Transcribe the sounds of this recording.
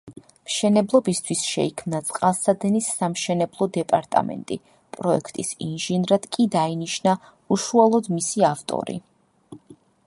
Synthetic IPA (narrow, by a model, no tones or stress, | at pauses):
mʃɛnɛblˠɔbist̪ʰwisʃɛ̰ikʰmnat̪sʼqʼalˠsad̪ɛnisːamʃɛnɛblˠɔd̪ɛpʼaɾt̪ʼa̰mɛ̰nt̪ʼḭ | pʼɾɔɛ̰kʰt̪ʼisinʒinɾad̪̥kʼid̪ainiʃna | uʃualˠɔd̪misiaft̪ʼɔ̰ɾḭ